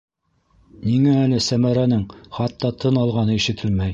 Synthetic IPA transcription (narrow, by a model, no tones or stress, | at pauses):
niŋæːlɘsæmæɾænɘŋχɑt̪ːɑt̪ʰɤnɑlˠʁɑnɤiʃɘ̆t̪ʰɘlmæj